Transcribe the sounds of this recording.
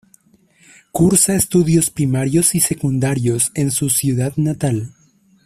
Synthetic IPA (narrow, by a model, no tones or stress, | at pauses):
kuɾsaest̪uðjo̞spɾimaɾjo̞sise̞kund̪aɾjo̞se̞nsusjuðaðnat̪al